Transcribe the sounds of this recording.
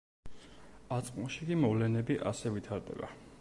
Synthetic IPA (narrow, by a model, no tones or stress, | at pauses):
at̪sʼqʼmʃikʼimɔvlɛnɛbiʔasɛvit̪ʰaɾd̪ɛ̰ba̰